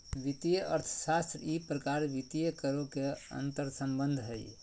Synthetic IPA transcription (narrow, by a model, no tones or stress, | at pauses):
ʋit̪ijəʔə̰ɾt̪ʰsast̪ɾipɾəkaɾʋit̪ijəkəɾokeə̰nt̪əɾsə̃mbənd̪ʱɦəj